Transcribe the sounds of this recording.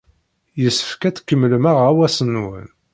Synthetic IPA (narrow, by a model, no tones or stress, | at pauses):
jəsːə̥fkæt͡skːəmːlmaʁawæsənːwə̰n